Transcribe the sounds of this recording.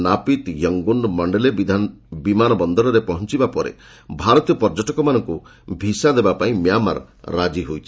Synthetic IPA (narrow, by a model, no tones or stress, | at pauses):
napit̪jɔŋɡuɳɖmɔɳɖeled̪ʱbimanɔbɔnd̪ɔɾɔɾepɔɦɔnt͡ʃibapɔɾḛ | bʱaɾɔt̪ijɔpɔɾd͡ʒɔʈɔkɔmanɔŋku | bʱisad̪ebapaĩmjama̰ɾː | ad͡ʒiɦojt͡ʃʰi̥